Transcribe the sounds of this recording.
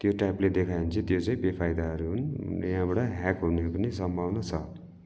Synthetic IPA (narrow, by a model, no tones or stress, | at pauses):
t̪joʈajpled̪ekʰajunt͡sʰit̪jot͡saĩbepʰajd̪aɦʌɾuɦunjɦãbʌʈʌɦɛkɦunepʌnis̬ʌmbʱawnʌt͡sʰʌ